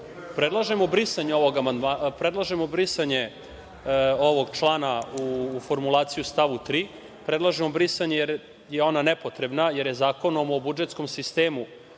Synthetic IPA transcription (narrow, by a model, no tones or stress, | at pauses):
pɾed̪lˠaʒemo̞bɾisaɲeo̞ʋoɡamand̪mapɾed̪lˠaʒemo̞bɾisaɲe̞ | oʋo̞ɡt͡ʃlˠaːnaufo̞ɾmulˠaːt̪sijust̪aʋut̪ɾiː | pɾed̪lˠaʒemo̞bɾisaɲejeɾ | jeo̞nanepot̪ɾe̞bnaje̞ɾjezaːko̞no̞mo̞bud͡ʒet̪sko̞msist̪eːmu